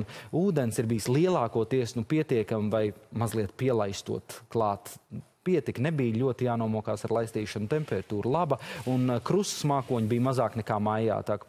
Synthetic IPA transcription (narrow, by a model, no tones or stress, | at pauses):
uːd̪ensiɾbijslˠiɛlˠɑːkuɔt̪iɛsnupiɛt̪iɛkamvajmazlˠiɛt̪̚piɛlˠajst̪ṵɔt̪klˠɑːt̪ | piɛt̪iknɛbijʎʲuɔt̪ijaːnuɔmuɔkaːsaɾlˠajst̪iːʃant̪ɛmpɛɾat̪uːɾlˠabɐunkɾussmaːkuɔɲbijmazaːknɛkaːmaja̰ːt̪ak